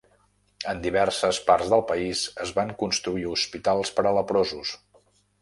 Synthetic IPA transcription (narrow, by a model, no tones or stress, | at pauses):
ənd̪iβ̞ɛrsəspaɾzðəlˠpəizəzβaŋkunst̪ɾuiuspit̪alˠspəɾələpɾozus